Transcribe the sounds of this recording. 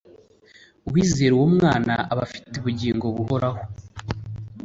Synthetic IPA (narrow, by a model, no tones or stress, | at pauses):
uβwiːze̞ːɾiwomŋaːnaaβa̰fi̥teβuɟiːŋɡo̞βuho̞ɾaho